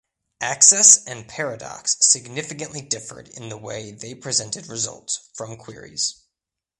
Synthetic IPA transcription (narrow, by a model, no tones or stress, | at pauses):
ʔæksɛsɨ̃npʰɛɹɨdɑ̰ksɨɡ̚nɪfɨkɨ̃nʔlidɪfə̰˞ɾɪ̰̃nðəwḛɪðeɪpʰɹ̥izɛ̃ntɨd̚ɹɨzʌ̰lˠtsfɹʌ̃mkʰw̥ɪ̰ɹḭz̥